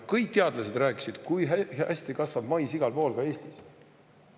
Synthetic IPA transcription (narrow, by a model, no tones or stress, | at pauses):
kɤjk̚t̪eɑd̪lɑse̞d̪̥ræːkːˑi̥sid̪̥kujæsʲt̪ikɑsvɑb̥mɑjsiɡɑlpo̞ːlɡɑe̞ːsʲt̪is